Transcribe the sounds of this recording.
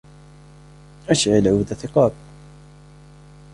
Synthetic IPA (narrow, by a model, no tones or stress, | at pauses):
ʔaʃʕɪlʕuːd̪aθɪqɑːb̚